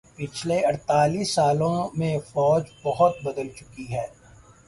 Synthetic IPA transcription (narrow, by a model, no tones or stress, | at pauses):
pɪt͡ʃʰleɐɽt̪aːliːsːaːlõmẽfɔːd͡ʒbɐɦʊt̪̚bɐd̪əlt͡ʃʊkiɦɛː